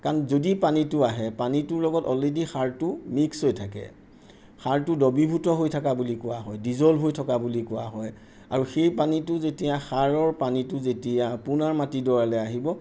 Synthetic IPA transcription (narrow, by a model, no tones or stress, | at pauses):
kaɹnɔzodipanitʊaɦɛpanitʊɹlɔɡɔtɔledixaɹtʊmikshojtʰakɛ̰ | xaɹtʊdɔbibʱutɔɦojtʰakabulikʊwaɦɔjdizɔlɦojtʰɔkabulikʊaɦɔj | a̰ɹuxejpanitʊzetijaxaɹɔɹpanitʊzetijapʊnaɹmatidɔɹalɛaɦibɔ